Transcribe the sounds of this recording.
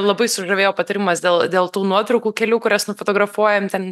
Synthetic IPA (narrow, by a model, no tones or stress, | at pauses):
lˠɐbɐɪsʊʒɐʋʲeːjoːpɐt̪ɐɾʲɪmɐsd̪ʲeːlˠdʲeːlˠt̪uːnuɔt̪ɾɐʊkuːkʲɛlʲuːkʊɾʲɛsnʊfot̪oːɡɾɐfuɔjɛmt̪ʲɛn